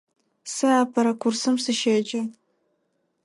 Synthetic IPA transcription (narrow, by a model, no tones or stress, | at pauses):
sɨaːpʰɐɾɐkʷʰʊrsɨmsɨʃeːd͡ʒʼɐ